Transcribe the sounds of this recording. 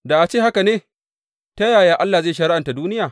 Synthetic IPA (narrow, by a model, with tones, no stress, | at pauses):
da˨ʔa˨t͡ʃeː˦˨ha˦ka˨neː˦ | ta˦jaː˨jaː˨˦ʔa˦lːa˨ze˦jʃɐ˨ɽɪ˦ʔa˨nta˨duː˦nɪ˦jaː˨